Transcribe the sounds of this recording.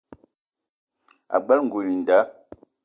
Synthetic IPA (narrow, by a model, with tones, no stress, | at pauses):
a̰˨ɡ͡ba˦lŋ̩˨ɡo˨mi˨n˨da˨˦